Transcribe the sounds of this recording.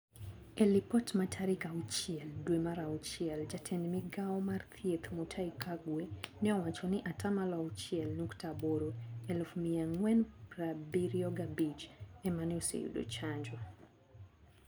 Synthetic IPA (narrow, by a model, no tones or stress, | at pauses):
ɛlipɔtmatʰaɾikaut͡ʃiɛlduɛmaɾaut͡ʃiɛld͡ʒatʰɛnmiɡaɔmaɾt̪ʰiɛt̪mutʰaikaɡwɛnɛɔwat͡ʃɔniʔatamalaut͡ʃiɛlnuktabɔɾɔɛlfumiaŋwɛnpɾabiɾiɔɡabid͡ʒɛmaniusɛ̰jṵɗɔ̰t͡ʃand͡ʒɔ